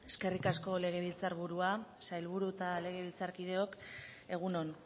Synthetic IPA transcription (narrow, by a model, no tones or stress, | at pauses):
e̞ske̞rikasko̞le̞ɣ̞e̞βilt͡saɾβuɾuasajlβuɾut̪ale̞ɣ̞e̞β̞ilt͡saɾkiðe̞o̞ke̞ɣ̞uno̞n